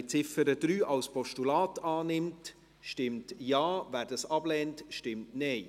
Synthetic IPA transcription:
t͡sɪfəɾədɾyːʔɑwspɔʃtulɑːtɑːnɪmt | ʃtɪmtjɑːvæːɾdɑsɑb̥lɛːntʃtɪmtneɪ

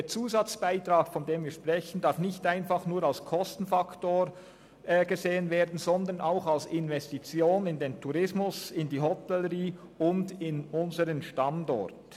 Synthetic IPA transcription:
d̥eːt͡suːzat͡sb̥aɪtʁaːɡ̥fɔndeːmviːɐʃpʁ̥ɛçən̩d̥aɐfnɪçtaɪnfaχnuːɾalskʰɔstn̩faktoːɾ | ɡ̥əzeːənveːdn̩z̥ɔndənaʊxalsɪnvɛstit͡sjoːnɪndeːntʰuɾɪsmʊsɪndiːɦɔtɛləʁiː | ʊndɪnʊnzəɾənʃtandɔ̰ʁt

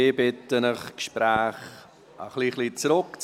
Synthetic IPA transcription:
ɪbɪtənəχkʃpɾæːχ | əχliχlit͡sɾʊkt͡s

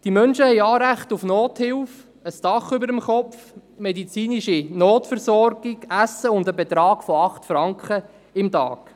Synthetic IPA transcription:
d̥imœnʃəhɛɪjɑːɾæχtufnoːthɪlf | əstɑχʏbəɾəmχɔpfmɛdit͡siːniʃinoːtfəɾsɔɾɡ̥ɪɡæsːəʊndəbɛt̪ɾɑːɡ̥fɔɑχtfɾɑŋkχə | ɪmtɑ̰ːk

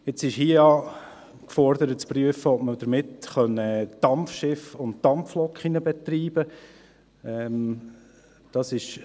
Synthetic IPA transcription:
ɪt͡sɪʃhiəjɑ | kfɔɾd̪əɾətt͡spryəfəɔp̚məd̥əɾmɪtχœnəd̥ɑmfʃɪfʊntd̥ɑmpflɔkχinəbɛt̪ɾiːb̥ə | ɛm | d̥ɑsɪʃ

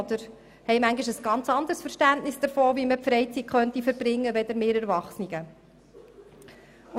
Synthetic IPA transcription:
d̪əɾ | hɛɪmæŋɡiʃəsɡ̥ɑnt͡sɑnd̪əɾsfəɾʃtæntnɪsd̥̪əɾfoːviməpfɾɛɪt͡sitχœnt̪ifəɾb̥ɾɪŋːəvɛd̪əɾmeːɾɛɾvɑχsniɡə

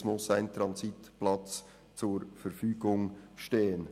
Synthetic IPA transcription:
mʊsaɪnt̪ɾɑnsitplɑt͡s | t͡suɾfəɾfyːɡ̥ʊŋʃteːən

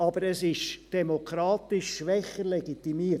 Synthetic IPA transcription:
ɑbəɾɛsɪʃd̥ɛmokʰɾɑːt̪ɪʃːʋɛχəɾlɛɡit̪imiː

